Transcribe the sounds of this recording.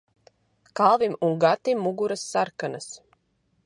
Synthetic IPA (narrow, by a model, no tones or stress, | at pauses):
kalˠvimuŋɡat̪imːuɡuɾasːaɾkanas